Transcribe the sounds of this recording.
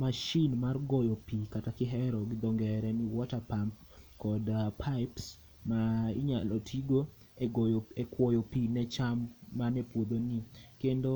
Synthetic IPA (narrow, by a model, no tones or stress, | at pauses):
maʃinmarɡɔjɔpikatakɪɦɛɾɔɡɪd̪ɔŋɡɛɾɛniwɔtapamp̚ | kɔdpʰaɪps | maḭɲa̰lotʰiɡo | ɡojekwɔjopinɛt͡ʃamːanɛpwod̪onikendo